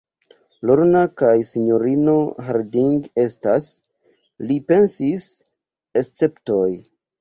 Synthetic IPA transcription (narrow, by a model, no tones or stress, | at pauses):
loɾnakajsiɲo̞ɾino̞ɦaɾdiŋɡe̞stas | lipe̞nsis | est͡se̞ptoj